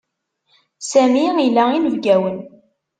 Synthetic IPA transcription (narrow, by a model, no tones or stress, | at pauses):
sæmiilæinəvɡæwən